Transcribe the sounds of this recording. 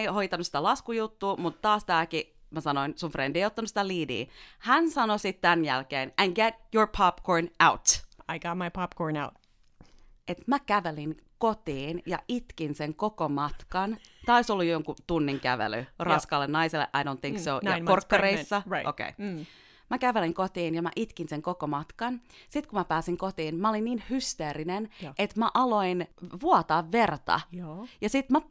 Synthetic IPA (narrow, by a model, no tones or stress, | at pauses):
eihojt̪ɑnusi̥t̪ælɑskujut̪ːuːmut̪tɑːst̪æːki | mæsɑnoinsunfrendieiot̪ːɑnusi̥t̪æliːdḭːhænsɑnosit̪t̪ænjælkeːnænɡet̪joɹpʰɑpkoɹnawt̪aɪɡ̥ɑt̚majpʰɑpkʰɔɹnaʊt̚ | et̪mækæʋelinkot̪iːnjɑ̰ʔit̪kinseŋkokomɑt̪kɑnt̪æːoisolːujoŋkut̪unːiŋkæʋḛly̰rɑskɑlːennɑiselːḛʔɑjdõnθĩŋksoɑ̰orkːɑreisːɑʔo̰kḛi | mækæʋeliŋkot̪iːnjɑmæ̰ʔit̪kinseŋkokomɑt̪kɑnsit̪kumæpæːsiŋkot̪iːnmæolinniːnhyst̪eːrinenʔet̪mæʔɑloinʋuɑt̪ɑːʋʋert̪ɑ̰jjɑsit̪mæ